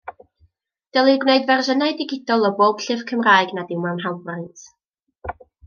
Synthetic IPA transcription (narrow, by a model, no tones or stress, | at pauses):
d̥ɛlˠɨɡwneɨdvɛrʒənaɨdɪɡɪdɔlˠɔboːb̥ɬɪv̥kʰəmraːɨɡnadɪwmawnɦalˠbrɪntʰ